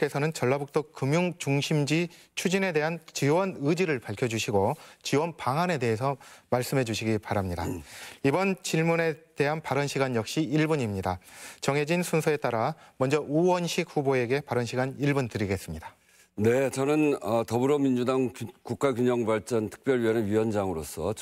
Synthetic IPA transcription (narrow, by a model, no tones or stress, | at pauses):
k͈e̞sʰʌnɯnt͡ɕʌɭːabuk̚t͈okːɯmjuŋt͡ɕuŋɕʰimd͡ʑi | t͡ɕʰud͡ʑine̞de̞ɦant͡ɕiwʌnɯd͡ʑiɾɯɭpaɭkʰjʌd͡ʑuɕʰiɡot͡ɕiwʌnpaŋane̞de̞ɦesʰʌmaɭs͈ɯmɦe̞d͡ʑuɕʰiɡipaɾamɲidaibʌnt͡ɕiɭmune̞te̞ɦanpaɾʌnɕʰiɡanjʌk̚ɕ͈iːɭbuɲimɲidat͡ɕʌŋe̞d͡ʑinsʰunsʰʌe̞t͈aɾamʌnd͡ʑʌʔuwʌnɕʰik̚ɸuboe̞ɡe̞paɾʌnɕʰiɡaniɭbuntɯɾiɡe̞s͈ɯmɲida | ne̞t͡ɕʌnɯnʌtʌbɯɾomind͡ʑudaŋkuk̚k͈aɡjuɲʌŋbaɭt͡ɕ͈ʌntʰɯ̥k̚p͈jʌɭɥiʌneɥiwʌnd͡ʑaŋɯɾos͈ʰʌ